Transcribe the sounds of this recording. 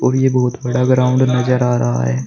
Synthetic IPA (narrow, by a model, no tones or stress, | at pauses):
ɔːɾjeːbɔɦʊt̪bɐɽaɡɾaːʊ̃ɳɖnɐzəɾaːɾɐɦa̰ɦɛ̰ː